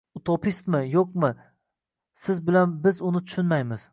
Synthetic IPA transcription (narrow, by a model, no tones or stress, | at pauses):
ʊt̪ʰopʰist̪mɪjoq̚mɪ | sɪzbɪlanbɪzʊnɪt̪ʰʊ̥ʃɪnmajmɪz̥